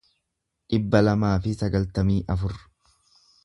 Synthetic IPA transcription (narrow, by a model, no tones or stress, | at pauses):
ᶑɪbːɐlɐmaːfɪsɐɡɐlt̪ɐmiːʔɐfʊɾ